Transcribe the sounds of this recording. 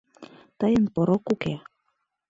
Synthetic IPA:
t̪əjənpoɾokːuke

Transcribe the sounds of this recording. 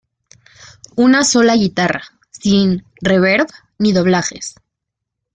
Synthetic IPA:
unaso̞laɣit̪ara | sin | re̞βeɾβ | niðo̞β̞laxe̞̰s

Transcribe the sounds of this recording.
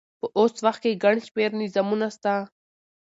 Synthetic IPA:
pəʔoːswaxt̪̚keɡaɳʃpeɾnizamunast̪a

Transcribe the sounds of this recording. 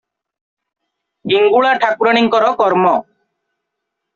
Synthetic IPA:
ɡiŋɡuɭaʈʰakuɾɔɽ̃iŋkɔɾɔkɔɾmɔ

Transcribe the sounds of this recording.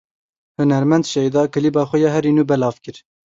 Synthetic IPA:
hɨnɛɾmɛnd̪ʃɛid̪ɑːkɨliːbɑːxʷɛjɑːɦɛɾiːnuːbɛlɑːvkɨɾ

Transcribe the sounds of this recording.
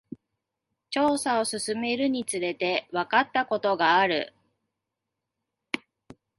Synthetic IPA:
t͡ɕo̞ːsao̞sɨsɨme̞ɾɯ̟ɲ̟it͡sɨɾe̞t̪e̞βakat̪ːako̞t̪o̞ɡaːɾɯ̟̰

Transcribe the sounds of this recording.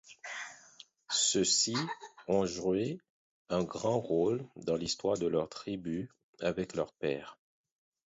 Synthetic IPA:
səsiɔ̃ʒue | ɛ̃ɡʁɑ̃ʁold̪ɑ̃list̪waʁd̪əlœʁt̪χiby | avɛklœʁpɛ̰ːʁ

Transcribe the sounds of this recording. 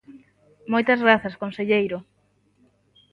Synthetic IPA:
mojt̪ɐzɣɾaθɐskonseʎejɾo

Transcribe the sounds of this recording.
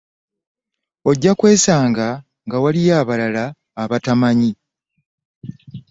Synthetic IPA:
o̞ɟːakwe̞ːsaːŋɡa | ŋɡawalijaːβalalaː | βatamaɲi

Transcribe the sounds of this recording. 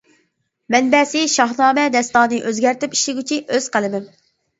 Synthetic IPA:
mɛnbɛsɪʃɑɦnɑːmɛd̪ɛst̪ɑːnɨʔøzɡʲæɾt̪ɪpi̥ʃlɪɡʲyt͡ʃʰinʔøz̥qʰəlˠɨmɪm

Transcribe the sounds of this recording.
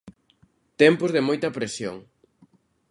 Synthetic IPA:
t̪ɛmpʊzðɪmojt̪ɐpɾesjo̰ŋ

